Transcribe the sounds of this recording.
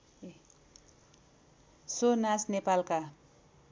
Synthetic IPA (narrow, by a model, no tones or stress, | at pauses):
sonasnepalka